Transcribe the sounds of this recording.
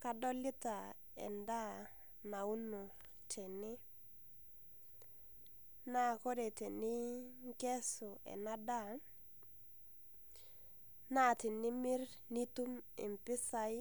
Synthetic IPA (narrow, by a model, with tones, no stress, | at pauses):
ka˦dɔ˦lɪ˦ta˨ | ɛ̰˨nda˦ | na˨u˦nu˨ | tɛ˨nɪ˦ | na˦˨ko˦de˨te˨nɪ˦ŋkɛ˦sʊ˨ɛ̰˨na˦da˦˨ | na˦˨tɪ˨nɪ˦mɪ˦r | nɪ˦tu˦mɪ̰˨mpɪ˦sa˦ɪ˦